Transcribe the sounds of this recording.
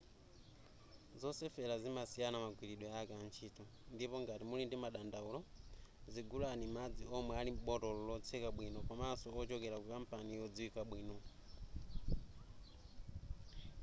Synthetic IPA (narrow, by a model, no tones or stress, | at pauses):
zɔsɛfɛɾazimasijanamaɡwiɾiɗwɛakant͡ʃʰiːtʰu | ndipɔŋɡatimulindimaɗandaulɔziɡulanimad͡ziɔmwɛalim̩ɓɔtɔlɔlɔt͡sʰɛkaɓwinɔpamasɔɔt͡ʃɔkɛɾakuipam̩panijɔd͡ziwikaɓwiːnɔ